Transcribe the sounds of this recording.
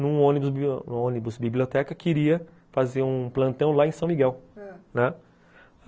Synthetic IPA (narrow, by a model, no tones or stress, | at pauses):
nũõnibʊsb̰̃õnibʊsbiblʲiot̪ɛkɐkiɾiɐ | fazeɾũplɐ̃nt̪ɐ̃w̃laẽsɐ̃w̃miɡɛwnɛ